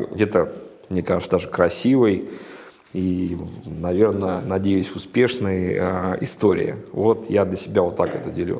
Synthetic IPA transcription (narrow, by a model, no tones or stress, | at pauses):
ɡdʲet̪ə | mnʲekaʐsd̪aʐɨkɾɐsʲivɨj | i | nɐvʲe̞rnənɐdʲejʊsʲʊspʲe̞ʂnɨjəəɪst̪o̞ɾʲɪ̰jə̰vo̞t̪jad̪lʲəsʲɪbʲavot̪ːakɛt̪ədʲɪlʲṵ